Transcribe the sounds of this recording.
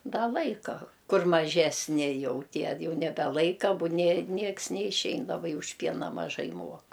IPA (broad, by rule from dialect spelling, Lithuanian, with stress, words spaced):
ˈdɐ ˈlˠɐɪkɐ ˈkʊr mɐˈʒʲæːsʲnʲɪ ˈjɛʊ ˈtʲiɛ ˈjɛʊ nʲɛbʲɛˈlˠɐɪkɐ ˈbʊ nʲeː ˈnʲiɛks nʲɛɪʃʲˈɛɪn lˠɐbɐɪ ʊʃ ˈpʲiɛnɐ mɐˈʒɐɪ ˈmuɔk